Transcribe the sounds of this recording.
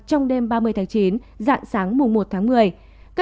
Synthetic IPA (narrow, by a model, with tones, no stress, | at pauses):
t͡ɕɔ˧wŋ͡mɗe˧mɓaː˧mɨ˧əjt̪ʰaː˨˦t͡ɕi˨˦n | za̰ː˧˨nsaː˨˦ŋmʊ˨˩ŋ͡mmo˨˩t̚t̪ʰaː˨˦ŋmɨ˨˩əj | ka˦˥